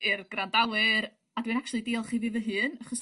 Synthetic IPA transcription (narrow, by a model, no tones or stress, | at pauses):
ɪrɡ̥randawɨɾ | adwɨnak̚t͡ʃwlˠidiːlˠχiːvɨvəɦɨːnaχɔs